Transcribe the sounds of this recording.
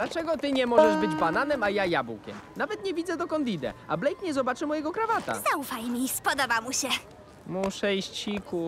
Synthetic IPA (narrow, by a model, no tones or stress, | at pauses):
d̪lat͡ʂɛɡɔt̪ɘɲɛmɔʐɛʐbɘd͡ʑbananɛmajajabṵkʲɛ̰mnavɛt̪ɲɛvʲid̪zɛd̪ɔkɔnd̪id̪ɛ̰a̰blɛjkɲɛzɔbat͡ʂɘmɔjɛɡɔkɾavat̪a̰zaufajmʲispɔd̪ɔbamuɕɛ | muʂɛjɕt͡ɕiku